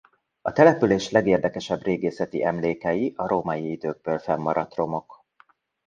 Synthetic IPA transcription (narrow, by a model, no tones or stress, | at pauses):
ɒt̪ɛlɛpyleːʃlɛɡeːrd̪ɛkɛʃɛbreːɡeːsɛt̪ḭʔɛmleːkɛjiʔɒɾoːmɒjiid̪øːɡ̚bøːlfɛmːɒɾɒt̪ro̞mo̞k